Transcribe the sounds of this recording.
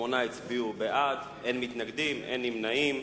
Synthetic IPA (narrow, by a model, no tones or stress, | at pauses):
onait͡sbiubeʔad̪ | enmit̪naɡd̪imʔḛnimnaim